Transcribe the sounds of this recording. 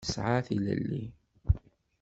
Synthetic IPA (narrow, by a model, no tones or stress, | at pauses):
əsʕaθilə̰lːi